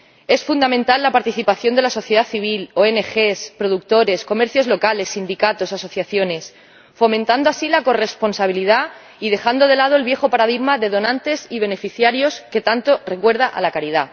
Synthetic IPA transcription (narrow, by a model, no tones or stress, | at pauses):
e̞sfund̪amẽnt̪alːapaɾt̪iθipaθjo̞nd̪e̞laso̞θjeð̞aθiβ̞iloene̞xe̞spɾoð̞uk̚t̪o̞ɾe̞sko̞meɾθjo̞zlo̞kale̞sːind̪ikat̪o̞saso̞θjaθjo̞ne̞s | fo̞mẽnt̪and̪oasilako̞re̞spo̞nsaβ̞ilið̞a | ið̞e̞xand̪o̞ðe̞lað̞oelβje̞xo̞paɾað̞iɣmaðe̞ð̞o̞nãnt̪e̞siβ̞e̞ne̞fiθjaɾjo̞ske̞t̪ant̪o̞re̞kwe̞ɾð̞aʔa̰lakaɾið̞a